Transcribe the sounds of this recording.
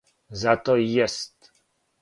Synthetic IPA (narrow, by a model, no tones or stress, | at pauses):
zat̪ɔjɛst̪